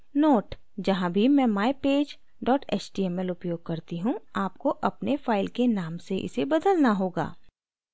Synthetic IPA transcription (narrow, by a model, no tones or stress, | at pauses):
noːʈ | d͡ʒɐɦãbʱimɛ̃ːmaːepeːd͡ʒ | ɖɔːʈɛːt͡ʃʈiːɛmɛlʊpjoːɡ̚kɐɾt̪iɦũaːpkoʔɐpnefaːɪlkenaːmseʔɪ̰sebɐd̪əlnaɦoːɡa̰ː